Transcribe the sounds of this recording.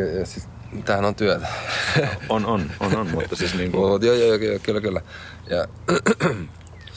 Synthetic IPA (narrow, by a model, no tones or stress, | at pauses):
jɑsit | t̪æhænont̪yæt̪æ | ononononmut̪ːɑsisniːŋkuut̪jojojokjokylːækylːæ | jɑ